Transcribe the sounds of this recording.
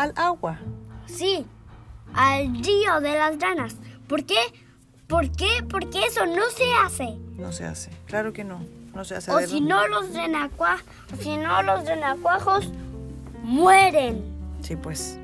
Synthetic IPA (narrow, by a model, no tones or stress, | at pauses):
alaɣwasi | alrioðelasɾanaspoɾke | poɾkepoɾkeesonoseasenosḛa̰seklaɾokenonosea̰seosinolosrenakwa | sinolosrenakwaxos | mweɾensipwes